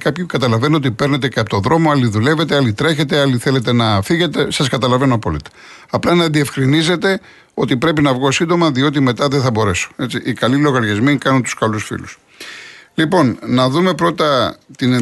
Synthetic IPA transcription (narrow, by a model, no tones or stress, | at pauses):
kɐpçukɐt̪ɐlɐve̞noo̞t̪ipe̞ɾne̞t̪eceɐpot̪oðɾo̞moɐliðule̞ve̞t̪eɐlit̪ɾe̞çe̞t̪e̞ɐliθe̞le̞t̪e̞nɐfiɣe̞t̪e̞sɐskɐt̪ɐlɐve̞noɐpo̞̰lit̪ɐ̥ | ɐplɐnɐðie̞fxɾinize̞t̪e̞ | o̞t̪ipɾe̞pinɐvɣo̞sind̪o̞mɐðio̞t̪̬ime̞t̪ɐðeθɐbo̞ɾe̞so̥e̞t͡siʔikɐlilo̞ɣɐɾʝezmikɐnunt̪u̥skɐlusfḭlus | lipo̞nnɐðume̞pɾo̞t̪ɐt̪in